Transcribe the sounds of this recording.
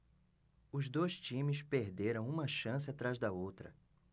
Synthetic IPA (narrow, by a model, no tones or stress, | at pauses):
ʊzd̪ojst͡ʃĩmɪspeɾd̪eɾɐ̃w̃ũmɐʃɐ̃s̬ɪat̪ɾazd̪ɐowt̪ɾɐ̰